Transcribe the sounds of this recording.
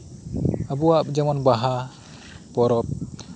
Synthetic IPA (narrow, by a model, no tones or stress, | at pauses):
abuapd͡ʒɛmɔnbaɦa | pɔɾɔp̚